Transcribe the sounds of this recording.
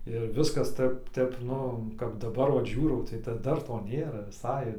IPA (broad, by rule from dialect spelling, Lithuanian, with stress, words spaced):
ɪr ˈʋʲɪskɐs ˈtəp ˈtʲɛp ˈnʊ kɐp dɐˈbɐr ˈʋɐt ˈʒʲuːrɐʊ tɐɪ dɐ ˈdɐr ˈtoː ˈnʲeːrɐ ʋʲɪˈsɐɪ